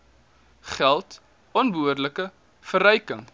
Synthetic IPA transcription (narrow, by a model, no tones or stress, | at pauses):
χælˠt | ɔnbuərdləkə | fəɾəjkəŋ